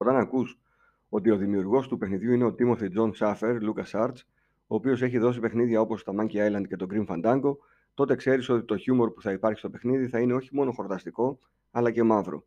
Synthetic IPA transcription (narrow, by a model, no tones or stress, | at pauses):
ot̪ɐnɐkus | o̞t̪io̞ðimiuɾɣo̞st̪upe̞xniðʝuine̞o̞t̪imo̞θid͡zo̞nsɐfe̞ɾlukɐsɐɾt̪s | o̞ːpio̞se̞çiðo̞s̬ipe̞xniðʝɐo̞po̞st̪ɐmɐɲciɐjlɐnd̪̚ce̞t̪o̞ɡɾiɱfɐnd̪ɐŋɡo̞ | t̪o̞t̪e̞kse̞ɾiso̞t̪i̥t̪o̞çumo̞ɾpu̥θɐipɐɾçi̥st̪o̞pe̞xniðiθɐine̞o̞çimo̞no̞xo̞ɾt̪ɐst̪iko̞ | ɐlɐce̞mɐvɾo̞̰